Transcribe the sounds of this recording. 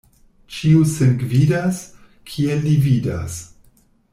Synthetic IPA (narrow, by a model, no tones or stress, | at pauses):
t͡ʃiusenɡvidas | kʰielːivida̰s